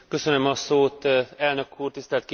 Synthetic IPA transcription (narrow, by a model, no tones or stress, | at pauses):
kø̞sønømɒsoːt̪ɛlnø̞kʰːuːrt̪ist̪ɛlt̪k